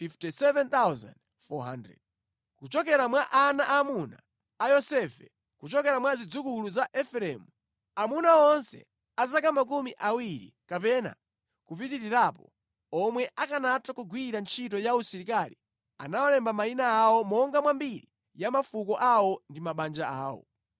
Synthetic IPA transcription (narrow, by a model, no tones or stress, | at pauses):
fiftisɛvɛnt̪awza̰nd | fɔɦandɾɛ̰d̚ | kut͡ʃɔk̬ɛɾamwaʔanaʔamunaː | jɔsɛfɛ | kut͡ʃɔkɛɾamwazid͡zukuluzaʔɛfɾɛmu | amunaɔnsɛ̰ | azakamak̬umiʔawiɾḭkapɛna̰ | kup̬itiɾiɾapɔ̰ | ɔmwɛʔakanatakuɡwiɾant͡ʃʰitɔjausiɾikali | a̰nawalɛmbamainaːwɔmɔŋɡamwambiɾi | jamafukɔʔawɔndimaɓand͡ʒaa̰ːwɔ̰